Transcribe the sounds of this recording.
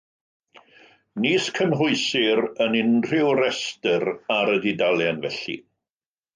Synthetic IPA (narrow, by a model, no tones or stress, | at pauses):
niːskʰəmɦʊɨsɪɾənɪnr̥ɪwɾɛstəɾaɾədidalˠjanvɛɬḭ